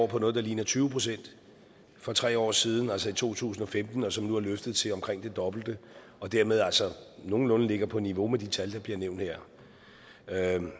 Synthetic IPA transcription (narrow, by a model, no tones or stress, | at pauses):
pʰɒ̽nɔ̽ːðˠd̥ɑ̈liːnɐt͡sʰyːʊpʰʁo̝sen̰d̥ | fɒ̽t͡sʰʁɛ̰ːɒ̰ːsiːð̞ˠn̩ælsɒ̽it͡sʰo̝̰ːt͡sʰṵːsn̩ɒ̽femd̥n̩ɒ̽sɒ̽mnuæɐløfd̥ð̩ˠt͡sʰe̝ɒ̽mkʰʁeŋ̰d̥e̝d̥ɒ̽b̥l̩d̥ə | ɒ̽d̥æɐ̰með̞ˠælsɒno̝ːn̩lɔ̽nəle̝ɡ̥ɐpʰɒ̽niʋo̝med̥it͡sʰæld̥ɑ̈b̥liɐneʊ̰nd̥heɐ̰